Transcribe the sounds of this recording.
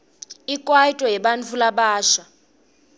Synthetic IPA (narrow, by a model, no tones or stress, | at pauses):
ikʼwaitʼɔɦɛɓant͡fʰulaɓaːʃa